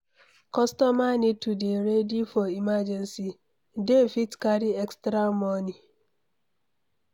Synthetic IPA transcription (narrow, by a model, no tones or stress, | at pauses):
kɔstɔmanɪtudeɾedifɔimad͡ʒensi | defitkaɾiekstɾamɔni